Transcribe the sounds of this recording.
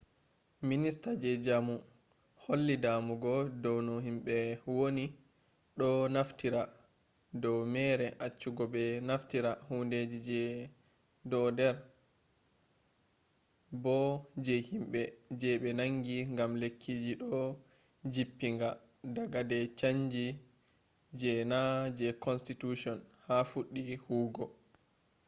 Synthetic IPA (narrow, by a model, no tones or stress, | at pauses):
ministad͡ʒɛd͡ʒamu | holːidamuɡɔdɔwnɔhimɓɛwoni | ɗɔnaftiɾa | dɔwmɛɾɛʔat͡ʃːuɡɔbɛnaftiɾahunded͡ʒid͡ʒɛ | dɔdɛɾ | bɔd͡ʒɛhimɓɛd͡ʒɛɓɛnaŋɡiŋɡamlekʰːid͡ʒiɗɔ | d͡ʒipːiŋɡa | daɡadɛt͡ʃaɲd͡ʒi | d͡ʒɛnad͡ʒɛkɔnstituʃɔnhafuɗːihuːɡɔ